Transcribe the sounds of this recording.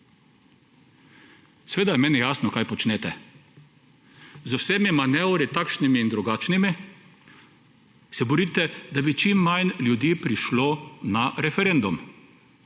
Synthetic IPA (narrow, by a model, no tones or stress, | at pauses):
sʋeːd̪ajɛmɛːnijaːsnɔkajpɔt͡ʃnɛt̪ɛ | zowsɛːmimanɛwɾit̪akʃnimiːnd̪ɾuɡaːt͡ʃnimi | sɛbɔɾiːt̪ɛd̪abit͡ʃimːajnljud̪iːpɾiʃlonaɾɛfɛɾend̪um